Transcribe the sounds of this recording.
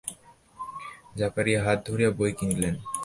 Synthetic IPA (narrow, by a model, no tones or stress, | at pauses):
d͡ʑapaɾiaɦat̪̚d̪ʱoɾijabojkiŋlen